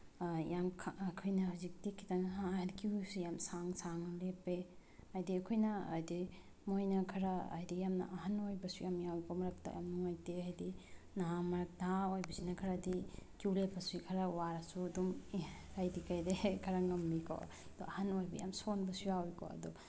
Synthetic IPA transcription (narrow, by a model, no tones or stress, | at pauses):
jamkʰːkʰɔjnɐɦuzik̚dikʰi̥taŋɦadikisujamsaŋsaŋlepeajdiɐkʰɔjnɐ̰ːjdi | mojnɐkʰɐɾaɐ̰jdijamna̰ʔɐɦanojbɐsujamijawjkɔmɐɾɐk̚ta̰ja̰mnɐmojteajdi | naɦamɐɾɐk̚naaojbɐsinɐkʰɐɾadikiwlepːɐsujkʰɐɾawaɾasudumajdikajdekʰɐɾaŋɐmːikʰɔ̰ | d̥̪ɔ̰ʔɐhanojbɐ̰ja̰msonbɐsujawjkɔ̰ɐ̰d̪ɔ